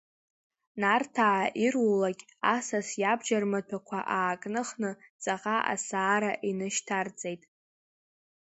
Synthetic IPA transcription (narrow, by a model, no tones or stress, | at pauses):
nartʰaʕaʔirwulakʲʼ | asasjabʒarmatʷʰakʷʰaʔaːkʼnɨχnɨt͡sʼaqaʔa̰saːɾaʔinɨʃtʰard͡zʼe̞jtʼ